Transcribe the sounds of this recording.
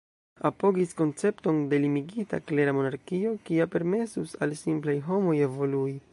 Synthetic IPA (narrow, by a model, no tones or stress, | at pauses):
apo̞ɡisko̞nt͡se̞pto̞nde̞limiɡita̰kle̞ɾamo̞naɾkio̞kiape̞ɾme̞susalsimplajɦo̞mo̞je̞vo̞lui